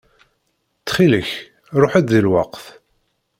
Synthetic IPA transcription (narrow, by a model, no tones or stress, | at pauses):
t͡sːχiləç | ɾˤoħæd̪ðilwɑqθ